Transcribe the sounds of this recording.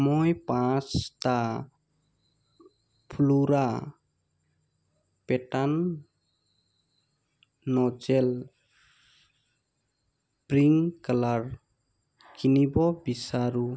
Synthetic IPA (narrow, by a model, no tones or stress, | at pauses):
mɔjpãt͡ʃta | pʰuluɾa | petan | ɔd͡ʒel | pɾiŋkalaɾ | kinibɔbisaɾu